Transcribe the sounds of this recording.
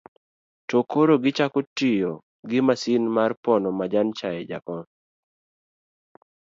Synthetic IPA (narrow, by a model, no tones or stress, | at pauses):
tɔkoɾoɡɪt͡ʃakotijo | ɡɪmasinmarpɔnɔmad͡ʒant͡ʃajɛd͡ʒa̰kɔn